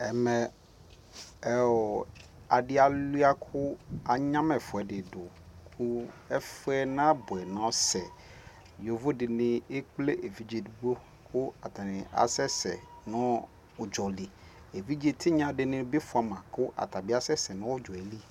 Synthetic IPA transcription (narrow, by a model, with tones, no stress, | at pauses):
ɛ˨mɛ̃˨ | ɛ˦ɔ˨ | a˨dɪ˦a˨lu˦a˦kʰʊ˦a˨ɲã˦mɛ˨fʊ˨ɛ˨dɪ˨dʊ˨ | kʰu˦ɛ˦fʊ˦ɛ˦nã˦bʊ˨ɛ˨nã˦sɛ˨ | jo˨vo˦dɪ˨nɪ̃˦e˦k͡ple˦ʔe˨vi˦d͡ʒe˨du˦ɡ͡bo˦ | kʰʊ˦a˨t̪ʰa˨nɪ̃˨a̰˨sɛ˦sɛ̰˨nʊ̃˦˨ | d͡ʒɔ˨li˨ | e˨vi˦d͡ʑe˨t̪ʰɪ˦ɲã˦dɪ˨nɪ̃˦bɪ˦fʊ˨a˨mã˨kʊ˦ʔa̰˨t̪a˨bi˦a˦sɛ˦sɛ˨nʊ̃˦wɔ˦d͡ʒɔ˨ɛ˨li˦